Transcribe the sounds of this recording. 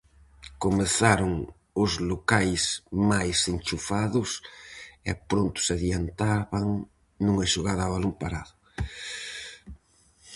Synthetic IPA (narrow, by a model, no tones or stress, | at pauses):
komeθaɾʊŋ | ʊzlokajsmajsenʲt͡ʃufaðʊs | ɛ̰pɾont̪ʊ̥saðjant̪aβaŋ | nuŋɐʃoɣaðaβalompaɾaðʊ